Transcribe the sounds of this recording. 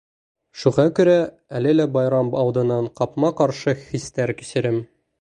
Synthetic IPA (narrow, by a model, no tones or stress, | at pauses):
ʃuʁɑkʉɾæ | ælɘlæbɒjɾɑmbɒwd̪ɤ̆nːɑɴqɒpmɑqɒɾʃɤxist̪æɾkɵ̥̆sɘ̆ɾɘm